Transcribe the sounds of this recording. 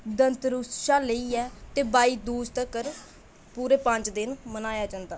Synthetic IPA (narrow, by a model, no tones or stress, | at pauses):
d̪ənt̪ɾʊsʃaːləiːɛːt̪eːbaːiːd̪uːst̪əkəɾ | puːɾeːpə̃ɲt͡ʃd̪ɪnmənaːjaːd͡ʒãːnd̪aː